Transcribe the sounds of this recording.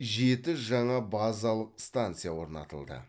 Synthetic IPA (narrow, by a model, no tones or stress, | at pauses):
ʒe̞t̪ɪʒɑɴɑbazɑlˠəqst̪ant̪sɨjawo̞ɾnɑ̰t̪əlˠd̪ə̰